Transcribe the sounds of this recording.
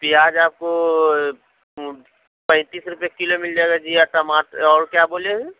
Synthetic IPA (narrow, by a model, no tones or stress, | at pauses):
piaːd͡ʒaːp̚ko | pɛ̃ɪ̃t̪iːsɾʊpekilomɪld͡ʒaeɡad͡ʒiat̪ɐmaːt̪ɔːɾkjaːboːleɦɛ̃